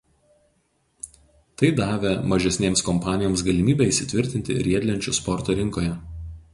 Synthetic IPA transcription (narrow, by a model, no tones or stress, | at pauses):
t̪ɐɪd̪ɑːʋʲɛmɐʒʲɛsʲnʲeːmskɔmpɑːnʲɪjɔːmsɡɐlʲɪmʲiːbʲɛɪsʲɪt̪ʲʋʲɪɾʲt̪ʲɪnʲt̪ʲɪ̰ɾʲiɛd̪ʲlʲɛnʲt͡ʃʲʊspɔɾt̪oːɾʲɪŋˑkoːjɛ